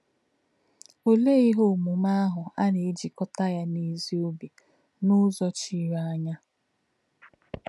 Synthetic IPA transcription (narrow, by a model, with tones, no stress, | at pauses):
o˨le˦i˦ɦo˦˨mu˨ma˦a˦ɦʊ˨a˦ne˨˦d͡ʒi˨kɔ˦ta˦ja˦ni˦zi˦o˦be˨ | nʊ˦zɔ˦t͡ʃi˦ɾa˦ɲa˦